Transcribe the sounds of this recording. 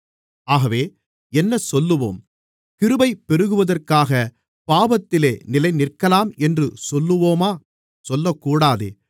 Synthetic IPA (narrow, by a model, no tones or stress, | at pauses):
aːɣɐʋeː | ɛnːɐsɔlːɯʋo̰ːm | kɪɾɯbɐɪpːɛɾɯɣɯʋɐðɐrkaːɣɐ | paːbɐt̪ːɪleːnɪlɐɪnɪrkɐlaːmɛndrɯsɔlːɯʋoːmaː | sɔlːɐkːuːɽaːðɯ̰